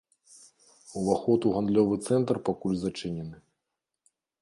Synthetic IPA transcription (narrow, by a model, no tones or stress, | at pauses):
uvaxɔt̪uɣand̪lʲɔvɨt̪sɛnt̪rpakulʲzat͡ʂɨnʲɛnɨ